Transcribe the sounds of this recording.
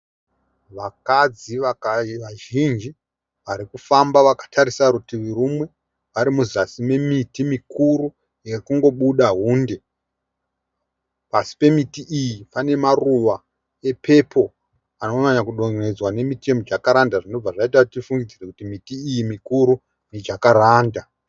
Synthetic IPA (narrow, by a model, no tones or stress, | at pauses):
ʋakad͡ziʋaʋaʒind͡ʒi | ʋaɾikufambaʋakḁtʰaɾisakutiʋuɾumwe̞ | ʋaɾimuzasimemitimikuɾu | jekuŋɡo̞ɓuɗaɦuːnde̞ | pasi̥pe̞mitiʔijipane̞maruʋa | e̞pʰe̞pʰo̞ | anomaɲakuɗoŋed͡zwane̞mitemod͡ʒakaɾandaʐino̞b͡vaʐait̬atifuŋɡid͡zirekutimitiːjimikuɾu | ned͡ʒakaɾaːnda